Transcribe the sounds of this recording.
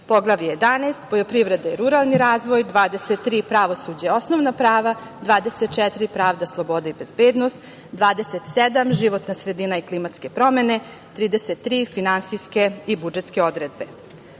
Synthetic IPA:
po̞ɡlˠaʋijeje̞d̪anaːst̪po̞jopɾiʋɾe̞d̪aiɾuɾalˠniɾaːzʋo̞jd̪ʋaːd̪eset̪ːɾiːpɾaʋo̞suːd͡ʑao̞snoʋnapɾaːʋad̪ʋaːd̪e̞set̪̚t͡ʃɛt̪iɾipɾaːʋd̪aslˠo̞bo̞d̪aibe̞zbeːd̪nost̪ | d̪ʋaːd̪e̞set̪sed̪amʒiʋo̞t̪nasɾed̪inaiklimat̪ske̞pɾo̞me̞ne̞ | t̪ɾiːd̪eset̪ːɾiːfinansijske̞ibud͡ʒet̪skeo̞d̪ɾed̪̚be̞

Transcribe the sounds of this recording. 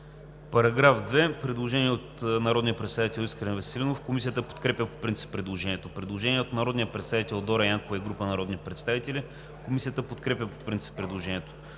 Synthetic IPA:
pɐɾɐɡɾafd̪vɛpɾɛd̪lˠoʒɛniɛot̪nɐɾɔd̪nijəpɾɛt̪st̪avit̪ɛlˠiskɾɛnvɛsɛlinofkomisiət̪əpo̥t̪kɾɛpʲəpo̥pɾint̪si̥pːɾɛd̪lˠoʒɛniɛt̪opɾɛd̪lˠoʒɛniɛot̪nɐɾɔd̪nijəpɾɛt̪savit̪ɛlˠd̪ɔɾɐjaŋkovɐiɡɾupənɐɾɔd̪nipɾɛt̪st̪avit̪ɛlʲi | komisijət̪əpot̪kɾɛpʲəpo̥pɾint̪si̥pːɾɛd̪lˠoʒɛniɛt̪o̥

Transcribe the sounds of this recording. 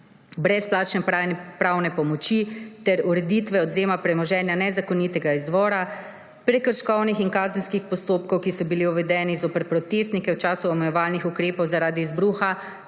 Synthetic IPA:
bɾɛsplaːt͡ʃnɛppɾawnɛpɔmɔt͡ʃit̪ɛɾuɾɛd̪it̪ʋɛɔd̪zeːmapɾɛmɔʒɛːnjanɛzakɔniːt̪ɛɡaizʋɔːɾa | pɾɛkəɾʃkɔwnixinkaːzənskixpɔst̪oːpkɔwkisɔbiliuʋɛd̪ɛːnizopəɾpɾɔt̪est̪nikɛwt͡ʃaːsuɔmɛjɛʋaːlnixukɾeːpɔwzaɾaːd̪iːzbɾuːxa

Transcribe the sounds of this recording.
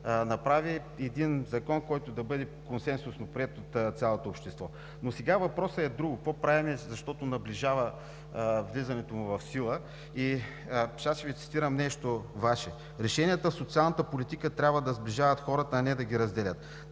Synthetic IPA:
nɐpɾavi | ɛd̪inzɐkɔnkɔjt̪ʊd̪ɐbɤd̪ɛkonsɛnsʊsnopɾʲiɛt̪ot̪t̪sʲalˠot̪oːpʃt̪ɛst̪vɔ | nosɛɡavɐpɾɔsəɛd̪ɾuɡʊkvɔpɾavɛmɛzɐʃt̪ɔt̪ʊnɐbliʒavə | vlizɐnɛt̪omʊvɐfsilˠə | i | ʃasʃɛvit̪si̥t̪iɾɐmnɛʃt̪ovaʃɛ | ɾɛʃɛniɛt̪əfsot̪sialˠnət̪əpolit̪ikət̪ɾʲabvəd̪ɐzbliʒavɐt̪xɔɾət̪əːnɛd̪ɐɡʲiɾɐzd̪ɛlʲət̪

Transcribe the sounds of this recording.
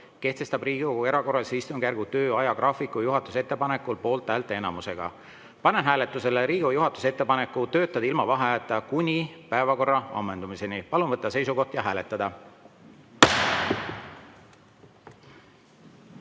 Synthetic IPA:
ke̞ht̪e̞st̪ɑbriːɡ̥ue̞ɾɑko̞rːɑsejst̪umɡ̥ærɡ̥ut̪ø̞ːɑjɑɡrʔɑːfikˑujuɦɑt̪ːˑuset̪ːˑepɑne̞kːˑulpo̞ːlt̪ːˑæːlt̪ːˑeenɑmuse̞ɡ̥ɑ̰ | pɑnenɦæːle̞t̪ːˑuse̞leɾiːɡ̥ujuɦɑt̪ːˑu̥se̞t̪ːe̞pɑne̞kːˑut̪ø̞ːt̪ːˑɑd̪̥ɑilmɑvɑɦeɑːt̪ːˑɑkunʲipæevɑko̞rːɑɑ̰mːe̞nd̪̥umise̞nipɑlunvɤt̪ˑːɑse̞jsuko̞ht̪jɑɦæːle̞t̪ːˑɑd̪̥ɑ

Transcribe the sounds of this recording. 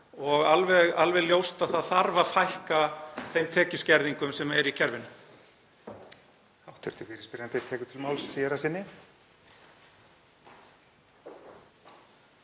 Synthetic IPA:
ɔɣalvɛɣalvɛljowst̪aðθaðθaɾvaðfajhkaθejmt̪ʰɛːcʏscɛɾðiŋkʏmsɛmɛɾicʰɛɾvɪnʏ | awt̪ʰœɾt̪ʏfɪɾɪ̥spɪɾant̪eɾt̪ʰɛːkʏ̥t̪ʰɪlmawlsːɛɾasɪnːɪ

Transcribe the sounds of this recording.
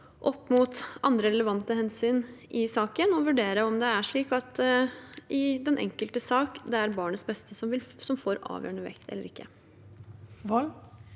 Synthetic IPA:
ʔɔpːmuːt̪ɑ̰nd̪ɾəɾɛləʋɑnt̪əhɛnsyːnʔɪsɑːkənɔʋʉɖeːɾəɔmd̪ɛæʂɭiːkɑt̪ | ʔɪd̪ɛnʔɛ̰ŋkəlt̪əsɑːkd̪ɛæɾbɑːɳət̪sbɛst̪əsɔʋɪlsɔmfoːɾɑ̰ːʋjø̰ːɳəʋɛ̰kt̪ʰɛ̰lːə̰ɾɪkːə | ʋɔl

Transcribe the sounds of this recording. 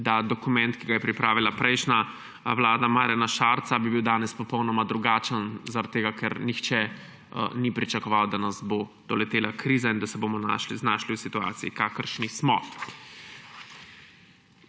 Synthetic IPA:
d̪ad̪ɔkumɛ̃nt̪kiɡajɛpɾipɾaːʋilapɾɛjʃna | wlaːd̪amaːɾjanaʃaːɾt̪sabibiwd̪aːnɛspɔpɔwnɔmad̪ɾuɡaːt͡ʃənzaɾat̪̚t̪ːeːɡakʰɛɾnixt͡ʃɛ | nipɾit͡ʃakɔʋawd̪anazbod̪̥ɔlɛt̪eːlakɾiːzaind̪asɛboːmɔna̰znaːʃliwsit̪ua̰ːt̪siikaːkəɾʃnismɔ

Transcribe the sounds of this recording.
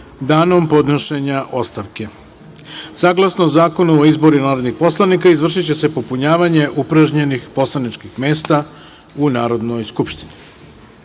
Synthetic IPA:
d̪aːno̞mpo̞d̪noʃe̞ɲaʔo̞st̪aʋke̞ | saɡlˠasnozaːko̞nuoizbo̞ɾunaːɾo̞d̪nixpo̞slˠanikaizʋr̩ʃit͡ɕe̞se̞po̞puɲaːʋaɲe̞ʔupɾaʒɲe̞nixpo̞slˠanit͡ʃkixme̞ːst̪a | unaːɾo̞d̪no̞jskupʃt̪ini

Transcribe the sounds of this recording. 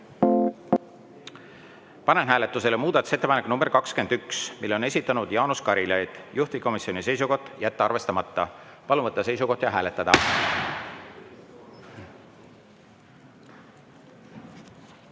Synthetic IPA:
pɑne̞nɦæːle̞t̪ːˑuse̞lemuːd̪̥ɑt̪ːˑu̥se̞t̪ːˑepɑnekːˑnumbe̞rkɑkske̞nd̪yksmilːo̞ne̞sʲit̪ːˑɑnud̪̥jɑːnuskɑɾilɑjd̪̥juht̪ikomisio̞nise̞jsuko̞ht̪ːˑjæt̪ːeɑrve̞st̪ɑmɑt̪ːɑpɑlumvɤt̪ːˑɑse̞jsuko̞ht̪jɑɦæːle̞t̪ːˑɑd̪̥ɑ̰

